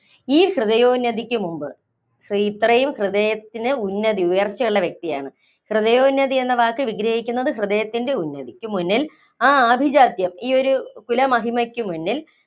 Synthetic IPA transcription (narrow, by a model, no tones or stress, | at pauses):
iːhrɨðɐjoːnːɐd̪ikʲːumumbɨ | hiit̪rɐjumhrɨðɐjɐt̪ːinɨunːɐðiujɐrt͡ɕːɐjuɭːɐʋjɐk̚t̪ija̰ːɳɨ | hrɨðɐjo̞ːnːɐðienːɐʋaːkːɨʋiɡɾɐhikʲːunːɐðɨhrɨðɐjɐt̪ːinde̞unːɐd̪ikʲːumːunːil | aːaːbʱid͡ʑaːd̪jɐmiːo̞ɾukulɐmɐɦimɐkʲːumːunːil